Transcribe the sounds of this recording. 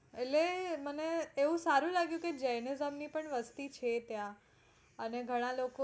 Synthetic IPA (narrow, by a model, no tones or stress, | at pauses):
eleməneːũsaɾuːlaɡjukid͡ʑejnezəmniːpəɳʋəst̪iːt͡ɕʰet̪jãː | neɡʱəɽ̃ãloko